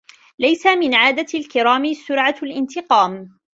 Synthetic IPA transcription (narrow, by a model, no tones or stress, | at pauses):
lajsamɪnʕaːd̪alkɪɾaːmsʊɾʕalʔɪnt̪ɪqɑːm